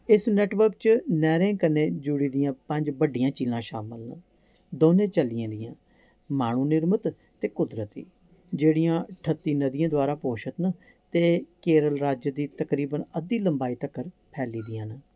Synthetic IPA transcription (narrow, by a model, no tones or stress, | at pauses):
ɪsnɛːʈʋəɾkt͡ʃnɛːɾẽːkənẽːd͡ʒʊɽiːd̪ɪjãːpə̃ɲd͡ʒbəɖɪjãːt͡ʃiːzãːʃaːməlnə | d̪oːnẽːt͡ʃəlɪjãːd̪ɪjãː | maːɳ̃ũːnɪɾmət̪ | t̪eːkʊd̪ɾət̪ḭː | d͡ʒeːɽɪjãːʈʰət̪ːiːnəd̪ijãːd̪ʊwaːɾaːpoːʃət̪nə | t̪eːkeːɾəlɾaːd͡ʒd̪iːt̪əkɾiːbənəd̪iːləmbaːiːʈəkːəɾ | pʰɛːliːd̪ɪjãːnː